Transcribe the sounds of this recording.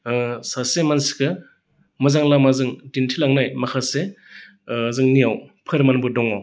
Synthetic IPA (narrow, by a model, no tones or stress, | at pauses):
sasemansi̥kɯ | mɯzaŋlamazɯŋtintʰilaŋnajmakʰase | zɯŋniawpʰɯɾmanbɯdɔŋɔ